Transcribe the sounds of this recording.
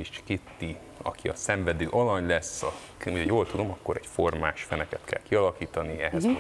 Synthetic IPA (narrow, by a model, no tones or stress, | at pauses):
it͡ʃkit̪ːi | ɒ̰kiɒsɛɱvɛd̪øːʔɒlɒɲlɛsːɒ | ucʰjoːlt̪ud̪o̞mɒkːoɾɛcformaːʃfɛnɛkɛt̪kʰɛ̰lkiɒlɒkiːt̪ɒniɛɦɛz